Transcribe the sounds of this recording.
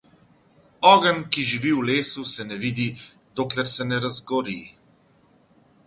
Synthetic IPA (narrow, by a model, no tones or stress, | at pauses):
ɔːɡəmkiʒiʋiwleːsusɛnɛʋiːd̪i | d̪oːklɛɾsɛnɛɾazɡɔɾḭ